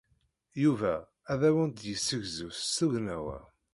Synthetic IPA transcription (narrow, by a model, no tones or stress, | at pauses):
juvæ | æðæwənd̪jəsːəʝzuθuwnæwæ̰